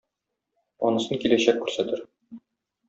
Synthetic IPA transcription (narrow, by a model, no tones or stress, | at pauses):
ɒ̰nɤ̆sɤnkilæɕækːʉɾsæt̪ɘɾ